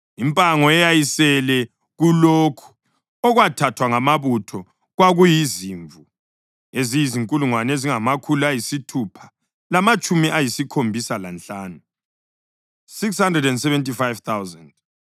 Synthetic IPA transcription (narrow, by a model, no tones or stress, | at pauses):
impʼaŋɔɛjajisɛlɛ | ɣulokʰu̥ | ɔɣwatʰatʰwaŋamaβutʰɔ | ɣwaɣujiziɱvu | ezijiziŋkʼuluŋwaneziŋamakʰuluajisitʰupʰḁ | lamat͡ʃʼumiʔajisikʰombʱisala̰nt͡ɬaːnu | sikshandrɛdɛndsɛvɛntʰʼifajvt̪ʰawzand̥